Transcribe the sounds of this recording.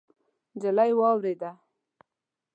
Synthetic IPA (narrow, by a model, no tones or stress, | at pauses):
d͡ʒalajwɑwɾed̪a